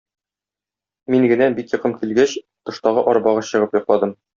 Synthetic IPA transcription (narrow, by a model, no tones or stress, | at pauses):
miŋɡɘ̆næbikjɤ̆qɤmkilɡæɕ | t̪ɤ̆ʃt̪ɑʁɤʔɒɾbɑʁɤɕɤ̆ʁɤpjɒqlˠɑd̪ɤm